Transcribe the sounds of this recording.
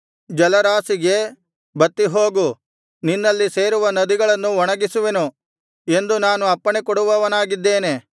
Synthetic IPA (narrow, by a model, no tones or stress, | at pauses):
d͡ʒɐlɐɾaːsiɡe̞ | bɐt̪ːiɦoːɡu | ninːɐlːise̞ːɾuʋɐnɐd̪iɡɐɭɐnːuɔɳɐɡisuʋe̞nu | e̞nd̪unaːnuɐpːɐɳekɔɽuʋɐʋɐnaːɡid̪ːe̞ːne̞